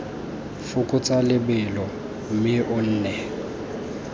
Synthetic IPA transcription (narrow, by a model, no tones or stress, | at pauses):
fʊkʼʊt͡sʼalɪbɪlɔ | m̩mɪʔʊn̩ːnɛ